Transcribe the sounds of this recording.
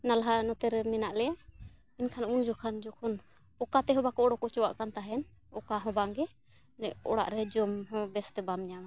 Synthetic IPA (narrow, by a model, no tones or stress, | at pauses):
nalɦanɔt̪ɛɾɛmɛnaʔlɛjaʔ | inkʰanund͡ʒɔkʰand͡ʒɔkʰɔn | ɔkat̪ɛɦɔbakɔɔɽɔkɔt͡ʃɔwaʔkant̪aɦɛn | ɔkaɦɔ̃baŋɡɛ | nɛʔɔ̰ɽa̰ʔɾɛd͡ʒɔmɦɔ̃bɛst̪ɛbamɲama